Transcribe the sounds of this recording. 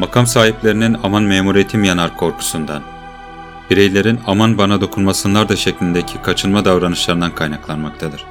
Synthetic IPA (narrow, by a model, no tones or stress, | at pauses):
makʰamsaːɦiplʲe̞ɾininamanmeːmuɾijet̪ʰimjanaɾkʰo̞ɾkʰu̥sund̪an | b̥iɾejlʲe̞ɾinamanbanad̪o̞kʰunmasɯnlˠaɾd̪aʃeclʲind̪ecʰikʰat͡ʃʰɯnmad̪avɾanɯʃlˠaɾɯnd̪ankʰajnaklˠanmak̚t̪ʰad̪ɯɾ̥